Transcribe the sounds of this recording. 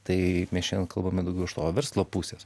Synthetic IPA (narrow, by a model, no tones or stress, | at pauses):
t̪ɐɪmʲɛsʃʲɛnʲkɐlˠbɐmʲɪd̪ɐʊɡʲɛʊɪʃt̪oːʋʲɛɾslˠoːpuːsʲes